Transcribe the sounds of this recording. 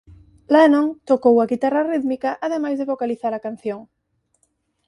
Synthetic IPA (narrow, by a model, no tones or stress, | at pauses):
lenõŋt̪okowaɣit̪arariðmikaʔað̞e̞majzðeβokaliθaɾakan̟θjoŋ